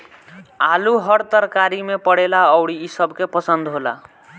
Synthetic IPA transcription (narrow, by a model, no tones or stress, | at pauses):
aluɦʌɽt̪əɾkaɾimepəɽelaʌwɽiːsʌbkepəsənd̪ɦola̰